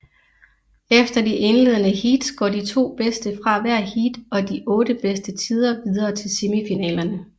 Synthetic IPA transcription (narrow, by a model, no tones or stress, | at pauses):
efd̥ɐd̥iʔe̝nle̝ð̞̰ˠənəhid̥sɡ̥ɒ̰ːdit͡sʰo̝̰ːb̥esd̥əfʁɑ̈ʋæɐ̰hid̥ɒ̽d̥iʔɔ̽ːd̥əb̥esd̥ət͡sʰiːð̞ˠɐʋið̞ˠɐːt͡sʰe̝lsimifinɛ̰ːlɐnə